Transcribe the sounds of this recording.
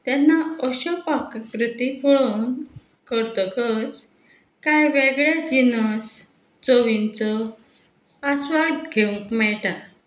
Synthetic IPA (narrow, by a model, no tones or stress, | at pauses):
t̪ɛnːaɔɕɔpakkɾut̪ikɔɭun | kəɾt̪ɔkət͡s | kajʋeɡɭjad͡ʑinəs | t͡soʋint͡sɔ | asʋad̪ɡʱeũŋkmɛɭʈa